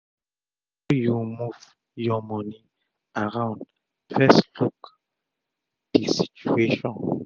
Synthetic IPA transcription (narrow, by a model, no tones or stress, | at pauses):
ojumuv | jɔmɔni | aɹãʊ̃nd | fɛskluk | d̥isit͡ʃueʃɔ̃n